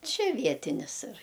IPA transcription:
ˈt͡ʃʲɛ ˈʋʲiɛtʲɪnʲɪs ɪr

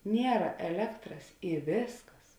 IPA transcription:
ˈnʲiɛrɐ ɛˈlʲæːktrɐs ɪ ˈʋʲeːsˌkɐs

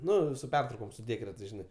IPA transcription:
ˈnʊ sʊ ˈpʲɛrtrɐʊkoːm sʊ ˈdʲeːkrʲɛtɐɪs ˈʒʲɪnɐɪ

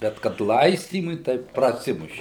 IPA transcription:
ˈbʲɛt kɐt ˈlˠɐɪsʲtʲiːmʊɪ tɐɪ prɐˈsʲɪmʊʃʲɪ

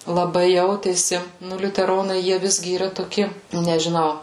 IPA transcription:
lˠɐˈbɐɪ ˈjɛʊtʲeːsʲɪ ˈnʊ lʲʊtʲɛˈroːnɐɪ ˈjiɛ ˈʋʲɪzʲɡʲɪ iːˈrɐ toːˈkʲɪ nʲɛʒʲɪˈnɐʊ

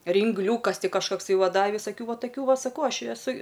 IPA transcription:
rʲɪŋɡˈlʲuːkɐs ˈtʲɪ kɐʃkɐkˈsɐɪ ˈʋɐ ˈdɐ ʋʲɪsɐˈkʲuː ˈʋɐ tɐˈkʲuː ˈʋɐ ˈsɑːˈkɐʊ ˈɐʃ ɪ ɛˈsʊ

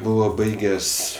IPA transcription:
ˈbʊʋoː ˈbɐɪɡʲɛsʲ

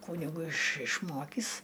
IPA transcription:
ˈkuːnʲɪɡʊ ɪʃ ɪʃˈmoːkʲiːs

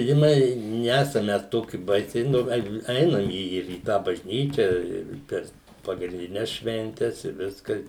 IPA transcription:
ʒʲɪˈnɐɪ ˈnʲæːsɐm ˈmʲɛs ˈtoːkʲɪ ˈbɐɪsʲɛɪ nʊ ˈɡɐlʲ ˈɛɪnɐm iː iː ɪr iː ˈtɑː bɐʒʲˈnʲiːt͡ʃʲɛ ɪr ˈpʲɛr pɐɡrʲɪnʲdʲɪˈnʲɛs ʃʲʋʲɛnʲˈtʲɛs ɪ ˈʋʲɪskɐ

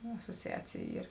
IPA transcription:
ɐsoːt͡sʲɪˈɑːt͡sʲeːj ˈiːr

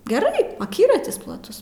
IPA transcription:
ɡʲɛˈrɐɪ ɐˈkʲiːrɐtʲɪs plˠɐˈtʊs

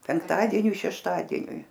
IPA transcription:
pʲɛŋkˈtɑːdʲiɛnʲʊɪ ʃʲɛʃˈtɑːdʲiɛnʲʊɪ

